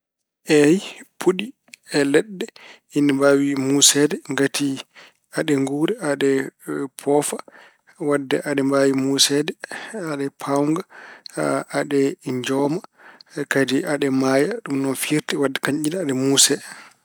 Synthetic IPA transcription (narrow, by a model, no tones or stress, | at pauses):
ʔɛjpʰuɗi | ɛlɛɗːɛ | inːambawimusɛdɛŋɡatʰi | aɗɛŋɡuɾɛʔaɗɛpʰɔfa | wadːɛ̰ʔaɗɛmbawimusɛdɛaɗɛpʰawŋɡa | aɗɛɲd͡ʒɔːmakadiʔaɗɛmajaɗumnɔnfiɾtɛwadːɛkaɲʔinaːɗɛmusɛ